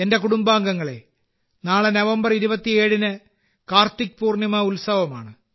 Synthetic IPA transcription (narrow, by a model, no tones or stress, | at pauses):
ende̞kuɽumbaːŋɡɐŋːɐɭe̞ | naːɭɨnɐʋɐmbɐriɾubɐt̪ːie̞ːɻinɨ | kaːrt̪ːik̚puːrnjɐmɐulsɐʋɐma̰ːɳɨ